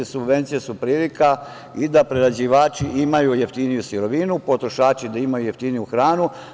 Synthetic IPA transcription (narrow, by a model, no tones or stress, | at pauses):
subʋe̞nt̪sijesupɾiːlika | id̪apɾeɾad͡ʑiʋaːt͡ʃiʔimajujeft̪inijusiɾo̞ʋinupo̞t̪ɾoʃaːt͡ʃid̪aimajujeft̪inijuxɾaːnu